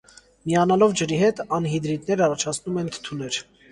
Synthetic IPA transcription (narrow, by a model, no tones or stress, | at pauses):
miɑnɑlɔvd͡ʒəɾiɦɛt̪ʰɑnɦid̪ɾit̪nɛɾɑrɑt͡ʃʰɑt͡sʰnumɛnt̪ʰə̥t̪ʰunɛɾ